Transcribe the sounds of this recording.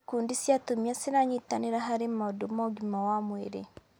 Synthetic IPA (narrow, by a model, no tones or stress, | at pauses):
kuːndisjatomiasiɾaɲitaneɾaɦaɾemadomaɡimawamweɾḛ